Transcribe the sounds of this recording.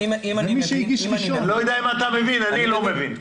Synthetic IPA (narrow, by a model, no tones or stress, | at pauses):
immiʃeiɡiʃiʃolojod̪aimat̪amevinannilomevin